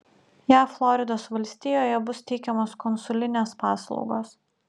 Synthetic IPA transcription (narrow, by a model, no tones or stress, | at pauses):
jæːflˠɔɾʲɪd̪oːsʋɐlʲsʲt̪ʲijoːjɛbʊst̪ʲɛɪkʲɛmoːskɔnsʊlʲɪnʲeːspɑːsl̰ˠʊɡoːs